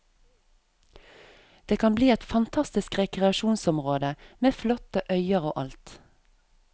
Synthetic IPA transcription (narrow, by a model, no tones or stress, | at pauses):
d̪̥eːkʰɑnbliːɛt̪fɑnt̪ʰɑst̪ɪskʁɛkʁɛɑʃuːnsɔmʁoːd̪əmeːflɔt̪əʔœʏəʁoːʔɑlt̪